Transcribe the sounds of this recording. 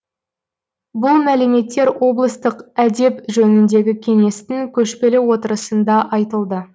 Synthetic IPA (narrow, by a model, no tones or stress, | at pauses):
bʊlˠmæleme̞t̪ːe̞ɾwo̞blˠəst̪əqæd̪e̞pʒɵnɪnd̪e̞ɡʲɪkʲʰe̞ŋe̞st̪ɪŋkʲʰɵʃpe̞lɪwo̞t̪əɾəsənd̪ɑʔɑjt̪əlˠd̪ə